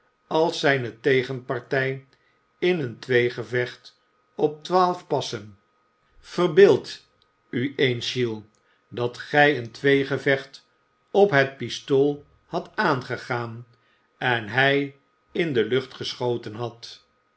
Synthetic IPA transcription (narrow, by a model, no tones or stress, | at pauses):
ɑlˠsɛjnətejχənpɑɹtɛj | ɪnəntʋejχəvɛχt | ɔp̚tʋaːlˠfpɑsən | v̥ərbɪːlˠt | yensilˠ | dɑtχɛjəntʋejχəvɛχt | ɔpɦɛt̚pistoːlˠ | hɑtaːnχəχaːn | ɛnɦɛj | ɪndəlɵχtχəsχowtənɦɑt